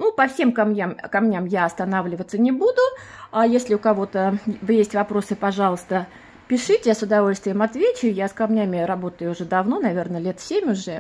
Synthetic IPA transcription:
nupɐfsʲemkɐmnʲjamkɐmnʲamjaɐst̪ɐn̪avlʲɪvət̪sːənʲɪbud̪ʊajesʲlʲɪʊkɐvo̞t̪əvɨjesʲtʲvɐpɾo̞sɨpɐʐɑlˠəst̪ə | pʲɪʂɨtʲɪsʊd̪ɐvo̞lʲst̪vʲɪjəmɐt̪vʲet͡ɕʊjjaskɐmnʲamʲɪɾɐbo̞t̪əjʊʊʐɛd̪ɐvno̞nɐvʲe̞rnəlʲe̞t̪sʲemʲʊʐɛ

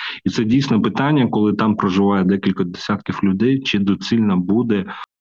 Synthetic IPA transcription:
it̪sɛdʲijsʲnɔpɪt̪ɑnʲːɐkɔlˠɪt̪ɑmpɾɔʒɪʋɑjɛd̪ɛkʲilʲkɐd̪esʲat̪kʲiwlʲʊd̪ɛjt͡ʃɪd̪ɔsʲilʲnɐbud̪ɛ

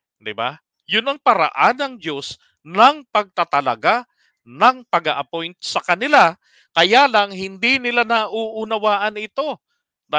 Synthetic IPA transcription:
d̪ɪba̰ | jʊnɐŋpɐɾɐ̰ʔanɐŋd̪o̞s | nɐŋpɐɡ̚t̪at̪ɐlɐɡa | nɐŋpɐɡɐʔɐpo̞jnt̪̚sɐkɐnɪla | kɐjaːlɐŋhɪnd̪inɪlanɐʔuːʔʊnɐwaːʔɐnɪt̪o̞ | d̪a

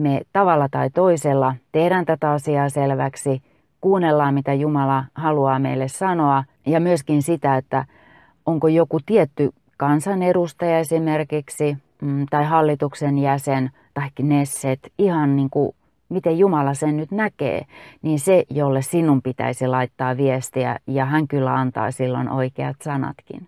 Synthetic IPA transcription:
met̪ɑʋɑlːɑt̪ɑit̪oiselːɑt̪ehɾænt̪æt̪æɑsiɑːselʋæksi | kuːnelːɑːmmit̪æjumɑlɑhɑluɑːmḛilːessɑnoɑ | jɑmyøskinsit̪æet̪ːæ̰ | oŋkojokut̪iet̪ːy | kɑnsɑneɾust̪ɑjɑesimerkiksi | t̪ɑihɑlːit̪uksenjæsen | t̪ɑikːnesːet̪ihɑnniːŋku | mit̪ejjumɑlɑsennyt̪nækḛːniːnsejolːessinːumpit̪æ̰isilɑit̪ːɑːʋiest̪iæ̰jɑhæŋkylːæ̰ɑnt̪ɑ̰ːsilːo̰no̰ikeɑ̰t̪sɑnɑ̰t̪kḭn

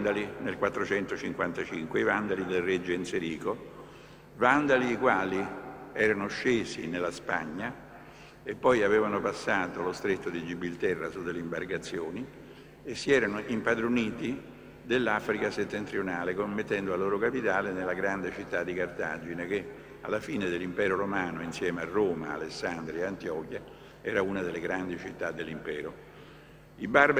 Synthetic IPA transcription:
d̪alinelkwat̪ːɾot͡ʃɛnt̪ot͡ʃiŋkwant̪at͡ʃiŋkweivand̪alid̪elred͡ʒːnseɾiːko | vand̪aliːkwaːliɛːɾanoʃːeːsinelːaspa̰ɲːa | epːɔjavɛːvanopasːaːt̪olost̪ɾet̪ːod̪id͡ʒibilt̪ɛrːasud̪eleimbarɡat̪sːjoːni | esːiɛːɾanoʔimpad̪ɾoniːt̪i | d̪elːafɾikaset̪ːent̪ɾionaːlekomːet̪ːɛnd̪oalːoːɾokapit̪aːlenelːaɡɾand̪et͡ʃit̪ːad̪ːikart̪aːd͡ʒinek̟e | alːafiːned̪elːimpɛːɾoɾomaːnoinsjɛːmearːoːma̰a̰lesːand̪ɾieant̪iɔːk̟ja | ɛːɾaunad̪elːeɡɾand̪it͡ʃit̪ːad̪ːelːimpɛːɾo | ibar

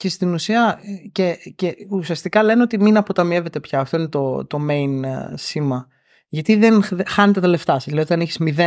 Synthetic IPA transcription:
ce̞st̪inusiɐceceusiɐst̪ikɐle̞neo̞t̪iminɐpo̞t̪ɐmie̞ve̞t̪e̞pçɐːft̪o̞ine̞t̪o̞t̪o̞me̞jnsimɐ | ʝɐt̪iðenxɐnet̪et̪ɐle̞ft̪ɐseslɐðiot̪ɐneçi̥zmiðe

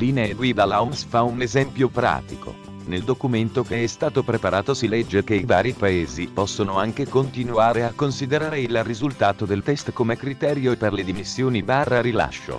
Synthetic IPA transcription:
liːneelwivalawmsfaunezɛmpjopɾa̰ːt̪iko̰ | neld̪okument̪okeɛst̪aːt̪opɾepaɾʔaːt̪osilɛd͡ʒːekeivaːɾipaeːzipɔsːonoaŋk̟ekont̪inuaːɾeakːonsid̪eɾaːɾeilrizult̪aːt̪od̪elt̪ɛst̪komekɾit̪ɛːɾjoeperled̪imisːjoːnibaːrːaɾila̰ʃːo̰

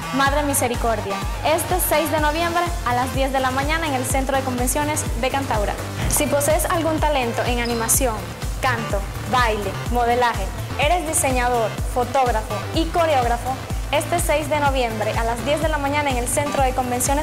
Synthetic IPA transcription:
maðɾemise̞ɾikoɾðja | e̞st̪esejzðe̞no̞βje̞mbɾe̞alazðje̞zðe̞lamãɲãnaeŋelsent̪ɾo̞ðeko̞mbe̞nsjo̞ne̞sðe̞kant̪awɾa̰ | sipo̞seesalɣunt̪alẽ̞nt̪o̞ʔeŋanĩmasjo̞ŋ | kant̪o̞ | βajle̞mo̞ð̞e̞laxe̞ | e̞ɾe̞zd̪ise̞ɲaðo̞ɾfo̞t̪o̞ɣɾafoiko̞ɾeo̞ɣ̞ɾafo | e̞st̪esejzðe̞no̞βje̞mbɾe̞ʔalazðje̞zðe̞lamãɲãnaeŋe̞lse̞nt̪ɾoðe̞ko̞mbe̞nsjo̞nes

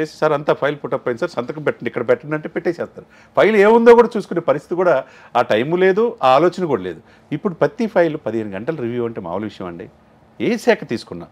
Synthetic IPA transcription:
eːsi̥saːɾɐnt̪aːpʰɐjlpuʈːɐpːɐjɐnisaːɾsɐnt̪ɐkɐmpɛʈːɐnikːɐɽɐbɛʈːɐɽnɐɳʈeːpɛʈːeːsɛːst̪aːɾu | pʰɐjleːund̪oːkuːɽaːt͡ʃuːsu̥kuneːpɐɾist̪ʰi̥t̪ikuːɽaː | aːʈɐjmule̞ːd̪uaaːloːt͡ʃɐnɐkuːɽɐleːd̪u | ipːuɽupɐt̪ːipʰɐjlupɐd̪iɦenɡɐɳʈɐlɐɾiʋjuɐɳʈeːma̰ːʋɐlɐʋiʂɐjɐ̰̃mɐɳɖḭː | eːsɛːkʰɐt̪iːsu̥kunːa̰ː

